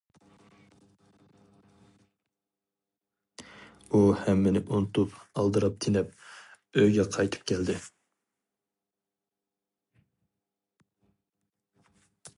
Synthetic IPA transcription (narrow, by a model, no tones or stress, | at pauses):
uhɛmːɪnɪʔunɨt̪upɑlˠd̪ɨɾɑp̚t̪ʰɪnɛp̚ | øjɡʲɛqʰɑjt̪ʰɨ̥p̚kʲʰɛld̪ɪ